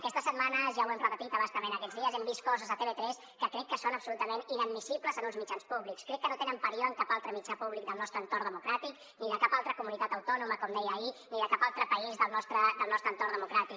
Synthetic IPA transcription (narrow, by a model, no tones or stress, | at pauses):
əkɛst̪əsət̪̚manəzʒawɛmprəpət̪it̪əβast̪əmenəkɛd͡zðiəzɛmbist̪kɔzəzət̪eβet̪ɾɛs | kəkɾɛkːəsonəpsulut̪əmeninəd̪̚misipləzənunzmit͡ʃanspuβlikskɾɛkːənot̪enəmpəɾioəŋkapalˠt̪ɾəmit͡ʃapuβlik̚d̪əlˠnɔst̪ɾəːnt̪ornd̪əmukɾat̪ik | niðəkapalˠt̪ɾəkumunit̪at̪əwt̪ɔnuməkɔmd̪ɛjəːiniðəkapalˠt̪ɾəpəizðəlˠnɔst̪ɾəd̪əlˠnɔst̪ɾənt̪ornd̪əmukɾat̪ik